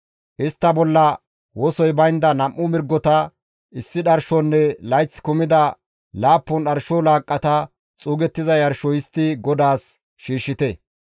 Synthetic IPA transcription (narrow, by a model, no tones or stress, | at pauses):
ʔɪst̪ːɐbɔlːɐ | wɔsɔjbɐjnd̪ɐnɐmːʊmɪɾɡːɔt̪ɐ | ɪsːɪɗɐɾʃɔnːɛlɐjt͡sːkʊmɪd̪ɐ | laːpːɔnɗɐɾʃɔlaːkʼːɐt̪ɐ | t͡sʼuːɡɛt̪ːɪzɐjɐɾʃɔjɪst̪ːɪɡɔd̪aːs | ʃiːʃːɪt̪ɛ